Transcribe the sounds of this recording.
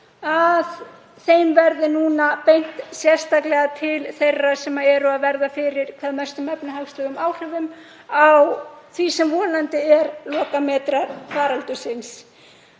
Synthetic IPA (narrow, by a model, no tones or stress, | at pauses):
að | θejmvɛɾðɪnuːnapejn̥t̪sjɛr̥st̪aklɛɣat̪ʰɪlθejrːasɛmaɛɾʏaðvɛɾðafɪɾɪɾ̥kʰvaːðmɛ̥st̪ʏmɛpnʏɦafst̪ʏɣʏmaːwr̥œvʏm | awθvisɛmvɔːnant̪ɪɛɾlɔːkamɛːt̪ɾaɾfaːɾalt̪ʏsɪns